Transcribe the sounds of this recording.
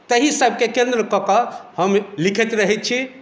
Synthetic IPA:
t̪əɦisəbʱkekẽnd̪ɾəkɔkəhəmlikʰɛt̪ɾəɦɛt̪̚t͡ʃʰi

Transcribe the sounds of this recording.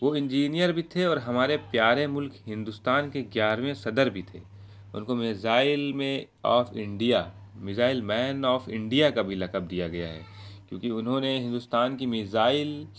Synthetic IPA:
ʋoɪ̃nd͡ʒiːnijəɾbʱit̪ʰeɔːɾɦɐmaːɾepjaːɾemʊlkɦɪ̃nd̪ʊst̪aːnkeɡjaːɾʋẽsɐd̪əɾbʱit̪ʰḛː | ʊ̰nkomɪzaːɪlmẽ | ɔ̰ːfɪ̃ɳɖija | mɪzaːɪlmɛːnɔːfɪ̃ɳɖijakabʱilɐkəb̚d̪ijaɡɐja̰ɦɛ̰ːkjõ̰ːkiʊnɦõneɦɪ̃nd̪ʊst̪aːnkimɪzaːɪl

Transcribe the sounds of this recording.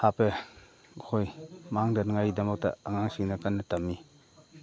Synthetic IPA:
hape | kʰojmaŋdanŋajdamɔk̚ta̰aŋaŋsiŋnakanːɯtamːi

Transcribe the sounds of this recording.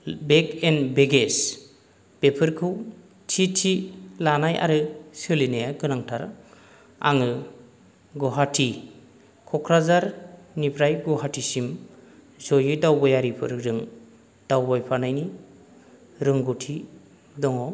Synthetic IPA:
bekenbeɡes | b̥epʰɯɾkʰɯw | tʰitʰilanaja̰ɾɯsɯlinajaɡɯnaŋtʰaɾ | a̰ŋɯ | ɡɔɦatʰi | kʰɔkʰɾazaɾnipʰɾajɡɔɦatʰisim | zɔjɯdawbɔjaɾipʰɯ̰ɾɾɯŋ | d̥awbajpʰanajni | ɾɯŋɡutʰi | dɔŋɔ

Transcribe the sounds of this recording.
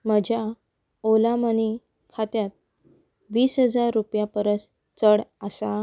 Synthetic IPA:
məd͡ʑʱja | olaməni | kʰat̪jat̪̚ | ʋiːsɦəd͡zaɾːupjapəɾəs | t͡səɽəsa

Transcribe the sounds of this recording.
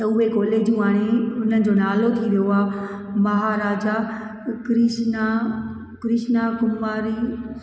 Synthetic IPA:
t̪ɐʊɦekɔːleːd͡ʑũaːɽ̃eʊnənɪ̆d͡ʑonaːlot̪ʰiʋijoaːmɐɦaɾaːd͡ʑakɾɪʃna | kɾɪʃnakʊmaːɾiː

